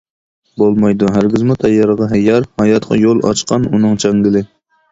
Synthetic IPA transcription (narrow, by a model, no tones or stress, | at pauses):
bolˠmɑjd̪uɦæɾɡʲɪzmut̪ʰɛjːɑɾəʁɑɦɛjːɑɾhɑjɑt̪qʰɑ̰jolˠɑ̰t͡ʃqʰɑnunɨŋt͡ʃʰɛŋɡʲɪlɪ